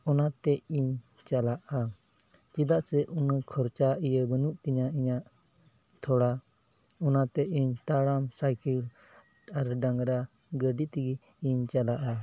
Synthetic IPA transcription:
ɔnat̪ɛiɲ | t͡ʃalaʔa | t͡ʃid̪aʔsɛʔunəkʰɔɾt͡ʃaijəbənuʔt̪iɲaiɲaʔ | t̪ʰɔɽa | ɔnat̪ɛʔiɲt̪aɽamsajkil | aɾɖaŋɾa | ɡəɖit̪iɡi | iɲt͡ʃalaʔa

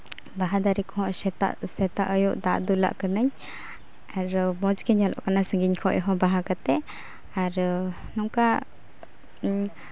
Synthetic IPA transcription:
baɦad̪aɾikɔɦɔ̃ʔɛt̪a̰sɛt̪aʔəjɔʔd̪aʔd̪ula̰ʔkənəɲ | aɾmɔd͡ʒkɛɲɔlʔɔ̰ʔkanasəŋɡiɲkʰɔʔjɦɔbaɦakat̪ɛ | aɾ | nɔŋka

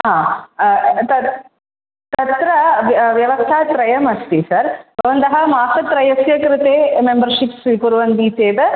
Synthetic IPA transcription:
ɦãː | t̪ɐ | t̪ɐt̪ɾɐʋjɐʋɐst̪ʰaːt̪ɾɐjɐmɐst̪isɐɾbɐʋnt̪ɐɦɐmaːsɐt̪ɾɐjɐsjɐkɾɪt̪eːmembɐɾʃipsʋipuɾuʋɐnd̪iːt̪eːd̪ɐ

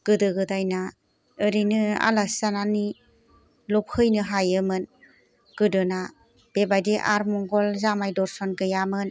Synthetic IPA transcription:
ɡ̥ɯdɯɡɯdajna | ɯɾinɯa̰lasanani | lɔp̚hɯjnɯɦajɯmɯn | ɡ̥ɯdɯna | b̥ebajdeʔa̰ɾmɔŋɡɔlzamajdɔɾsɔnɡɯjamɯn

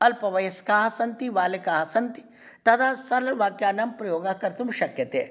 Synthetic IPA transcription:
ɐlpɐʋɐjɐskaːɦsɐnt̪iʋaːlekaːɦsɐnt̪i̥ | t̪ɐt̪ʰasɐɾlɐʋaːkjaːnɐmpɾɐjoːɡaːkɐɾt̪umʃɐkjɐt̪eː

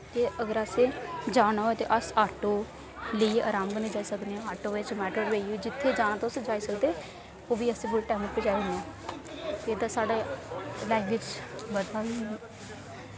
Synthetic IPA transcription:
t̪eːʔəɡəɾəsẽːd͡ʒaːɽaɦoet̪ḛːʔəsaːʈoː | ləia̰ːɾaːmbəneːd͡ʒaːiːsəkd̪eãaːʈoːʋɪt͡ʃmɛːʈəɽʋeːiod͡ʒɪt̪ʰːeːd͡ʒaːnãt̪õsẽd͡ʒaːiːsəkd̪eː | oːʋiːəsẽːbʊɽʈɛːməpəd͡ʒaːiɦʊ̃neɛ̃ː | t̪eeːd̪aːsaːɖelaːɪkʋɪt͡ʃbəd̪ʱaɦiː

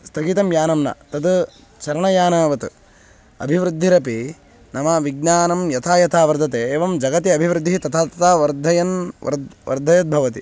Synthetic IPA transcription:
st̪ʰɐɡiːt̪ɐmjaːnɐmnɐ̰t̪ɐd̪ | t͡ʃɐɾɐɳɐjaːnɐːʋɐt̪u | ɐ̰bʱiʋɾɨd̪ʱːiɾɐpi | nɐmɐʋiɡ̚naːnɐmjɐt̪ʰaːjɐt̪ʰaːʋɐɾd̪ʱɐt̪eːeːʋɐmd͡ʒɐɡɐt̪iɐbʱiʋɾɨd̪ʱːit̪ɐt̪ʰaːt̪ɐt̪aːʋɐɾd̪ʱɐjɐnɐ̰ɾʋɐ̰ɾd̪ʱɐjɐt̪̚bʱɐʋɐt̪i

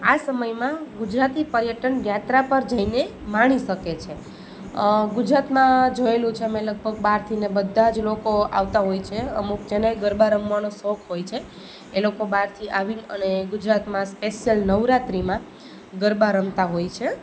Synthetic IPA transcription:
asəməjmãɡud͡ʒɾat̪ipəɾjəʈənjat̪ɾapəɾd͡ʒəinemaɽ̃iʃəket͡ʃʰe | ɡud͡ʒɾat̪mãd͡ʒoelũt͡ʃʰemẽləɡ̚bʱəɡ̚baɾt̪ʰinebəd̪ʱːad͡ʒlokoa̰ʋt̪aɦojt͡ʃʰeəmuk̚d͡ʒeneɡəɾbaɾəmʋanosɔkʰɦojt͡ʃʰe | elokobaɾt̪ʰiʔaʋinəneɡud͡ʒɾat̪mãspeʃijəlnəʋɾat̪ɾimã | ɡəɾbaɾəmt̪aɦojt͡ʃʰe

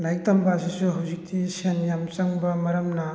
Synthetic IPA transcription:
najtɐmbɐsisuɦawzik̚tisenjamt͡ʃɐŋbɐmɐɾɐmnɐ

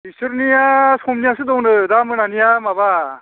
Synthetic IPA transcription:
isɯɾnijasɔmnijas̬ɯdɔwŋnɯdamɯnanijamaba

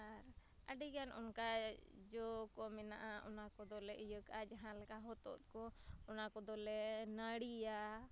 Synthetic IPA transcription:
aɾ | əɖiɡanɔ̰nka | d͡ʒɔkɔmɛna̰ʔaɔnakɔd̪ɔlɛʔijəkad͡ʒaɦãlkaɦɔt̪ɔ̰t̪̚kɔɔnakɔd̪ɔlɛnəɽija

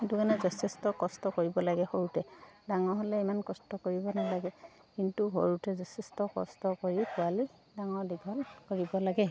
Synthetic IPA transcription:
itukanɛzɔsʰɛstɔkɔstɔkoɹibɔlaɡɛhoɹutɛdaŋɔɹɦɔlɛimankɔstɔkoɹibɔnalaɡɛ | kintuɦo̰ɹutɛzɔsɛstɔkɔ̰stɔkoɹipʊalidaŋɔɹdiɡʱɔlkoɹibɔlaɡɛ

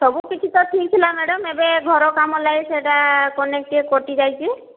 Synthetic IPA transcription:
sɔbukit͡ʃʰit̪ɔʈʰik̚t̪ʰilamɛɖɔmebeɡʱɔɾɔkamɔlajseʈakɔnek̚ʈiekoʈid͡ʒajt͡ʃʰi

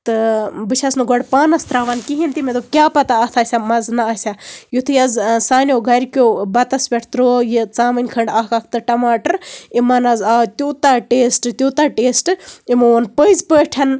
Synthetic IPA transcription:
t̪ɨbɨt͡ʃʰɐsnɨɡoɽpaːnɐst̪ɾaːʋɐnkiɦint̪imʲed̪okʲaːpɐt̪aɐt̪ʰasʲamɐznɐɐsʲajut̪ʰɨjɐzsaːnʲoɡʱɐɾʲkʲoːbɐt̪ɐsʋʲeʈʰt̪ɾoːjit͡saːmɨnʲkʰɐɳɖakɐk̚ʰt̪ɨʈɐmaːʈɐɾimɐnɐzaːt̪ʲuːt̪aːʈeːsʈɨt̪ʲoːt̪aːʈeːsʈɨimoːnpəzpəːʈʰɐn

